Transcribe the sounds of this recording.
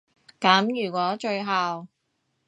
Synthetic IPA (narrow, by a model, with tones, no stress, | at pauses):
kɐː˨˥mjyː˨˩kʷɔː˨˥t͡ʃɵ˧ɥɦaː˨w